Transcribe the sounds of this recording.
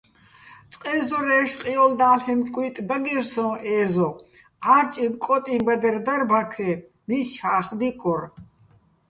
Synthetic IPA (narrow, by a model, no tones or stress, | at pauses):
t͡sʼqʼɛzɔɾɛːʃqʼijɔld̪aːlhɛnkʼwiːt̪ʼd̪aɡiɾsɔ̃ʔɛːzɔ | aɾt͡ʃʼinkʼɔt̪ʼibɛd̪ɛrd̪aɾbakʰɛ | mit͡ʃʰaːχd̪ikʼɔɾ